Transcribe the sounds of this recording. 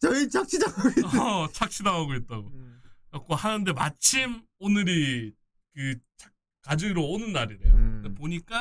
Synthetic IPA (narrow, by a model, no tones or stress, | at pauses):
t͡ɕʌit͡ɕʰak̚t͡ɕʰidaɡɡoit͡ɕʰak̚t͡ɕʰidaɡaɡoit̚t͈aɡoak͈ohanɯnde̞ma̰t͡ɕʰim | onɯɾi | kɯt͡ɕʰḁ | kad͡ʑɯɾoonɯnːaɾiɾḛo̰epoɲik͈a